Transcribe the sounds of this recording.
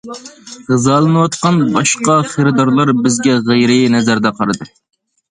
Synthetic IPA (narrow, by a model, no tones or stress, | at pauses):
ʁɨzɑːlˠɨnɨwɑt̪̚qɑnbɑʃqɑχəɾɨd̪ɑɾlˠɑɾbɪzɡʲɛʁejɾɨnɛzæɾd̪ɛqʰɑɾɨd̪ɨ